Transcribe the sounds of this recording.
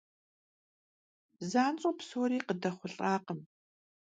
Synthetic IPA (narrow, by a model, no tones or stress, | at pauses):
zaːnt͡sʼopsoːɾiːqədɐχʷʊɬʼaːqəm